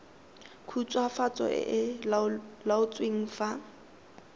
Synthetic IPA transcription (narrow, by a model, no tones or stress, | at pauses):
kʰut͡sʼwafat͡sʼɔ̰ʔɪ̰ʔɪ | laʊt͡sʼweŋ̩fa